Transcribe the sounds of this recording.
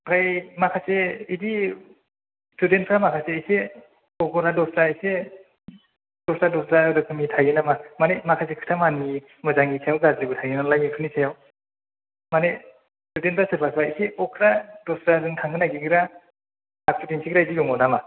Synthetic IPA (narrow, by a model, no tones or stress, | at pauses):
kʰajmakʰaseidi | student̚ʰɾamakʰaseise | ɔkʰɯɾadɔsɾaise | dɔsɾadɔsɾaɾɯkʰɯmitʰajɯnamamanemakʰasekʰɯ̥tʰamani | mɯzaŋisʰejawɡazɯbɯtʰajɯnalajɯkʰɯnisʰajaw | mane | studentʰɾasɯɾbʰasʰbaiseɔkʰɯɾadɔsɾadɯŋtʰaŋɡɯnaɡiɡʰɯɾaː | k̚tudentʰsʰikʰɾaidijɔŋɔnama